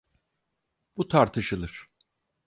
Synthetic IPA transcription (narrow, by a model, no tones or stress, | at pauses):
b̥ut̪ʰaɾt̪ʰɯʃɯlˠɯɾ̥